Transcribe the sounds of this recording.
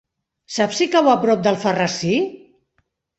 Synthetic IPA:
sapsikaβoapɾɔp̚d̪əlˠfərasi

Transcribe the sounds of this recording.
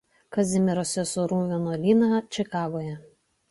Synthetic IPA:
kɐzʲɪmʲɪɾoːsʲɛsʊɾuːʋʲɛnoːlʲiːnɑt͡ʃʲɪkɑːɡoːjɛ

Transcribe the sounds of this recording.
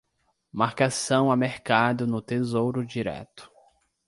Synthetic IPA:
maɾkasɐ̃w̃ameɾkad̪ʊnʊt̪ezowɾʊd͡ʒiɾɛ̰t̪ʊ̥

